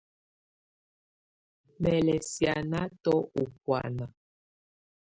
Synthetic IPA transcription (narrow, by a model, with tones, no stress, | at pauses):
mɛ˨lɛ˨sja˨na˦tɔ˦u˨k̚wa̰˨na˨